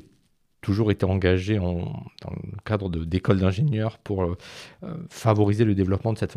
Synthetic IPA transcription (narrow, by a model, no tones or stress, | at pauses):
t̪uʒuʁet̪eɑ̃ɡaʒeɑ̃d̪̥ɑ̰̃ləəkad̪ʁəd̪əd̪ekɔld̪ɛ̃ʒeɲjœʁpʰuʁøøfavɔʁizeləd̪evlɔpmɑ̃d̪əsɛt̪f